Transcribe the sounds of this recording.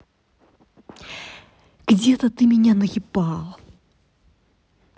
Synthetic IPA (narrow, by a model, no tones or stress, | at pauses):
ɡ̥d͡zʲɛt̪ɐt̪ɨmʲɛnʲanɐɣʲipalˠɐ